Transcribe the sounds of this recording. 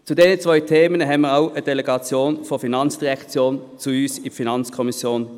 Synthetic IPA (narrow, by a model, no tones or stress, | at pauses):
t͡sudeːnət͡svɔʏtʰeːmənəɦɛmiːʁaʊəd̥eleɡɑt͡sjoːnfɔfinɑnt͡sd̥iʁʁɛkt͡sjoːnt͡suyːsɪfinɑnt͡skʰɔmisjoːn